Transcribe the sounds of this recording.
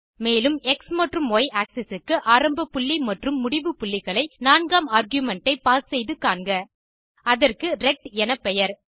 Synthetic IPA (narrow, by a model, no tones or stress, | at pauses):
meːlɯmɛksmɐʈrɯmoːjʔaːksɛsɯkːɯʔaːɾɐmbɐpːʊɭːimɐʈrɯmːʊɽɪʋɯpʊɭːɪɣɐɭɐɪnaːnɡaːmaːɾɡjʊmɛɳʈɐɪpaːssɛjðɯkaːɳɡɐ | ɐðɐrkɯɾɛk̚ʈɛnɐpːɛjɐɾ